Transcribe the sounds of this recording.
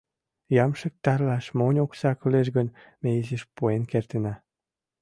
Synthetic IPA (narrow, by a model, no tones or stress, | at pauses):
jɑmʃək̚t̪ɑrlɑʃmonʲoksɑkyleʃ̬ɡən | meizeʃpuenkert̪enɑ